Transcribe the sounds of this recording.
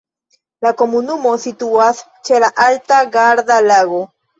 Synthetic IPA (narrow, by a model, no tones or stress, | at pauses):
lako̞munumo̞situast͡ʃe̞laʔaltaɡaɾdalaɡo̞